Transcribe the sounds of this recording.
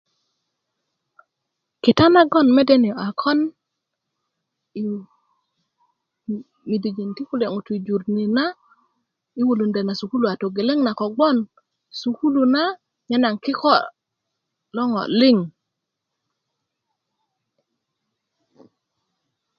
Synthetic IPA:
ki˨ta˦na˦ɡɔ˦˨nme˦de˦ni˨o˨a˨kʰɔ˦n | i˨ | mi˨di˨d͡ʒi˨nti˦ku˦le˨ŋu˨tu˨d͡ʒu˨ɾni˨na˦ | i˦wu˨lu˨nde˨na˨su˨ku˦lu˨a˨to˨ɡe˨le˦ŋna˨ko˨ɡ͡bɔ˦n | su˨ku˦lu˨na˦ | ɲe˦na˨ŋki˦kɔ˦˨ | lɔ˦ŋɔ̰˨li˦ŋ

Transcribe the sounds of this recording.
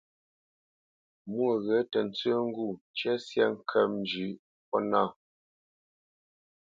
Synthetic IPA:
mwə˦˨ɣɛ˨˦tə˨n˦t͡sə˦ŋ˦ɡu˦˨t͡ʃɛ˦sjɛ˦ŋ̩˦kʰɛ˨mn˦d͡ʒʉ˨˦ | pɔ˦na˦˨

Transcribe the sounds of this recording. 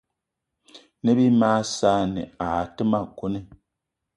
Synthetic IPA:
ne˦bi˦maː˦sa˦nḭ˨a˨ti˦ma˨ku˦ni˦

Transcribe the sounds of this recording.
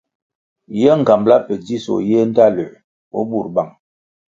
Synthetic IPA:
jɛ˦ŋ̩˨ɡa˨mbla˦pə˨di˦so̰˨jɛ˦n˦da˦˨lə˨ | o̰˦bu˦˨ɾba˨ŋ

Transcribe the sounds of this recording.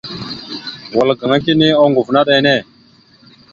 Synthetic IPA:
wa˨lɡa˨ŋa˦ki˦ni˦o˦ŋɡu˨vna˦ɗe˨˦ne˦˨

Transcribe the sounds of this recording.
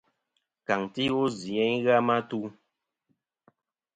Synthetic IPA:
ka˨ŋti˦u˦zi˨ɛ˦ɲɣa˦ma˦tu˦

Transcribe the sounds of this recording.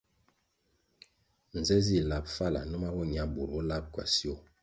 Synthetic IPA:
n̩˨zɛ˦zi˦˨la˦˨p̚fa˦˨la̰˨nu˦ma˦bɔ˦ɲ˨a˦bu˨ɾbɔ˦la˦p̚kwa̰˨si˦o˦˨

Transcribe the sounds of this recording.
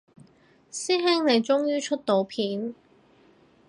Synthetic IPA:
siː˥ɦɪ˥ŋne˨˧jt͡sʊ˥ŋjyː˥t͡ʃʰɵ˥t̚t̪o˨˧wpʰiː˨˥n

